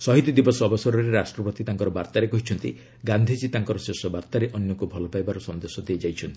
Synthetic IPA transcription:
sɔɦit̪id̪ibɔsɔbɔsɔɾɔɾeɾasʈɾɔpɔt̪it̪aŋkɔɾɔbaɾt̪aɾekɔɦit͡ʃʰɔnt̪ḭ | ɡand̪ʱid͡ʒit̪aŋkɔɾɔsesɔbaɾt̪aɾeʔɔnjɔkubʱɔlɔpajbaɾɔsɔnd̪esɔd̪eed͡ʒajt͡ʃʰɔnt̪i̥

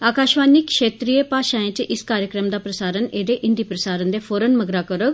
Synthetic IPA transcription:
aːkaːʃʋaːnikːʃeːt̪ɾijepaʃajẽt͡ɕeʔiskaːɾjəkɾəmd̪apɾəsaːɾəneːd̪eʔind̪ipɾəsaːɾənd̪efoːɾənməɡɾakəɾək̚

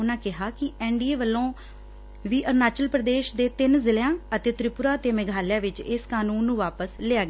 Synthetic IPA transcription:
ʊnãːkɪɦaːkɪɛːɳɖiːeːʋəlːõː | ʋiːʔəɾnaːt͡ʃəlpɾəd̪eːʃd̪eːt̪ɪnzɪlejãːət̪eːt̪ɾɪpʊɾaːt̪eːmɪɡʱaːlɪjãːʋɪt͡ʃɪskaːnuːnːũːʋaːpəslɪaːɡ

